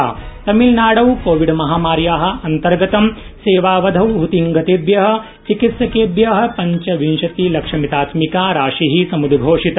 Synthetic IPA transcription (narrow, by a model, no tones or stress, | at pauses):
at̪ɐmilnaːɽɐwkoːʋiɖmɐɦaːmaːɾjaːɦɐ̆ɐnt̪ɐɾɡɐt̪ɐm | seːʋaːʋɐd̪ʱɐwɦut̪iŋɡɐt̪eːbjɐɦɐ̆ | t͡ʃikit̪sɐkeːbjɐɦɐ̆pɐɲt͡ʃɐʋinʃɐt̪ilɐkʂɐmit̪aːt̪mikaːɾaːʂiɦisɐmud̪ɡʱoːʂit̪